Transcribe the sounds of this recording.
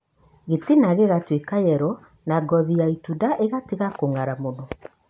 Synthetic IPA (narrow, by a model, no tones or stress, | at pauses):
ɣetinaɣeɣatwekajɛɾɔ | naɡɔðiaitudaʔeɣatiɣakoŋaɾamonɔ